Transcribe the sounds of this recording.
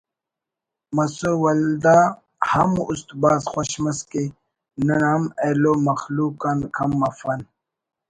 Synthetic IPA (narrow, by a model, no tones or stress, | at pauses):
mɐsowɐld̪a | hɐmust̪baːzxoɕmɐske | nɐnamelomɐxluːkankʰɐmːɐfɐn